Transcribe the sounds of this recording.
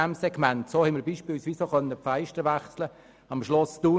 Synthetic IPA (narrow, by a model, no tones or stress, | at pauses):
æmsɛɡmæntsoːhɛɪməɾbiːʃpiːlsʋiːsoχœnːəpfaɪʃtəɾʋæχslə | ɑmʃlɔsd̥uː